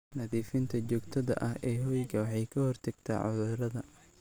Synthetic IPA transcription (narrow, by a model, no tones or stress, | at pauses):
nɐðiːfɪnt̪ʰɐt͡ʃɔːɡt̪ʰɐðɐ̰ʔɐhɛːɦɔjɡɐwɑħɑjkʰɐhɔrt̪ʰɐɡ̥t̪ʰa̰ːʕʊ̰ðʊɾɐðɐ